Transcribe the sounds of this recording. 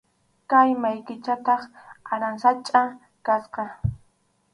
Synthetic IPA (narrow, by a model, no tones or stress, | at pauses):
kajmajkɪt͡ʃat̪ɑχaɾansat͡ʃʼa | kasqɑ